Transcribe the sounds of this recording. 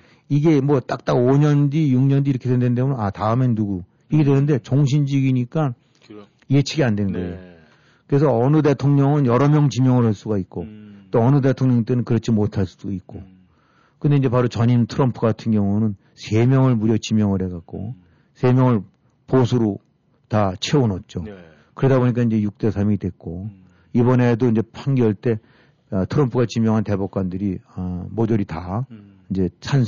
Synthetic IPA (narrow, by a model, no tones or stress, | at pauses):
iɡe̞mwʌt͈ak̚t͈aɡoɲʌndijuŋɲʌndiɾʌkʰedendennd̪emunenataɯme̞nːuɡu | iɡe̞dwenɯnde̞t͡ɕoŋɕ̬ʰind͡ʑiɡiɲik͈a | iɡet͡ɕʰiɡiandwe̞nɯnɡʌejo | kɯɾe̞sʰʌʌnɯde̞tʰoŋɲʌŋɯnjʌɾʌmjʌŋt͡ɕimjʌŋɯɭɦaɭs͈uɡait̚k͈ot͈oʌnɯde̞tʰoŋɲʌŋt͈enɯnkɯɾʌt͡ɕʰimotʰaɭs͈ud̥oit̚k͈o | kɯnde̞ind͡ʑe̞paɾot͡ɕʌɲintʰɯɾʌmpʰɯɡatʰɯnɡjʌŋunɯn | sʰe̞mjʌŋɯɭmuɾjʌt͡ɕimjʌŋɯɭɦe̞ɡak̚k͈o̰ | sʰe̞mjʌŋɯɭ | posʰuɾo | tat͡ɕʰe̞onʌt̚t͡ɕ͈o | kɯɾedaboɲik͈aind͡ʑe̞juk̚t͈e̞sʰamidwe̞k̚k͈o | ibʌne̞doind͡ʑe̞pʰaŋɡjʌɭt͈e̞ | tʰɯɾʌmpʰɯɡat͡ɕimjʌŋɦante̞bok̚k͈wandɯɾiʌmod͡ʑʌɾita | ind͡ʑe̞sʰan